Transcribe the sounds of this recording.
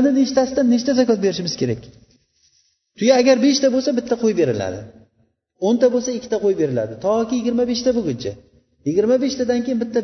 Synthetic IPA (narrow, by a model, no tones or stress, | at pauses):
nɪneʃɪt̪asɪd̪anːeʃt̪azakʲɒt̪̚be̞ɾɪʃɪmɪz̥kʲʰe̞ɾakʲ | t̪ʰʊjaːɡʲaɾbe̞ʃt̪ʰabolˠsabɪt̪ʰːaqʰojbe̞ɾɪla̰d̪ɪ̰ | ont̪ʰabolˠsaɪkʲʰːɪ̥t̪ʰaqʰojbe̞ɾɪla̰d̪ɪt̪ʰɒkʲɪjɪɡʲɪɾmabe̞ʃt̪ʰabʊɡʲʊnt͡ʃʰa | jɪɡʲɪɾmabe̞ʃt̪ʰad̪ankʲejɪnbɪt̪ʰːa